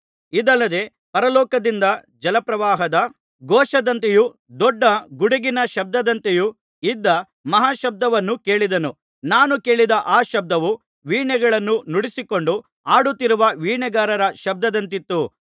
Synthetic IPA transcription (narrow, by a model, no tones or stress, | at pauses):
id̪ɐlːɐd̪e̞ | pɐɾɐlɔːkɐd̪ind̪ɐ | d͡ʒɐlɐpɾɐʋaːɦɐd̪ɐ | ɡɔːʃɐd̪ɐnt̪eju | d̪ɔɖːɐɡuɽiɡinɐʃɐb̚d̪ɐd̪ɐnt̪eju | id̪ːɐ | mɐɦaːʃɐb̚d̪ɐʋɐnːuke̞ːɭid̪ɐnu | naːnuke̞ːɭid̪ɐʔaːʃɐb̚d̪ɐʋu | ʋiːɳɛɡɐɭɐnːunuɽisiko̞ɳɖu | aːɽut̪ːiɾuʋɐʋiːɳɛɡaːɾɐɾɐʃɐb̚d̪ɐd̪ɐnt̪it̪ːu